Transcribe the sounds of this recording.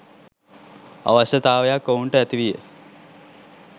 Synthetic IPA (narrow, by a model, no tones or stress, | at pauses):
a̰ʋaɕjɐt̪aːʋɐjakːouɳʈəæt̪iʋijə̰